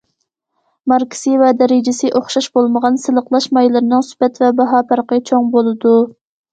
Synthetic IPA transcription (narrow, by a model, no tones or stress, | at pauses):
mɑɾkʰi̥sivɛd̪ɛɾɪd͡ʒɪsɪʔoχʃɑʃbolˠməʁɑnsɨlˠəqlˠɑʃmɑjlˠɨɾɨnɨŋsy̥pɛt̪vɛbɑɦɑːpʰɑɾqət͡ʃʰoŋbolˠɨd̪u